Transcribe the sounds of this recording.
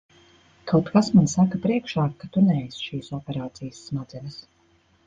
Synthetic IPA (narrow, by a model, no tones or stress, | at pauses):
kʰawt̪kasmansakapɾiɛkʃaːkːat̪unɛɛjsʃiːsɔpeɾaːt̪sijəsːmad̪zɛnʲəs